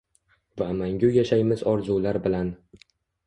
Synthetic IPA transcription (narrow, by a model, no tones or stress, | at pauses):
vamaŋɡʲʊjaʃajmɪzɒɾzulaɾbɪlan